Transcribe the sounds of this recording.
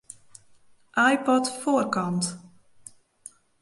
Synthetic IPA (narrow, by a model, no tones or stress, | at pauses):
ʔajpɔtfoːrkɔnt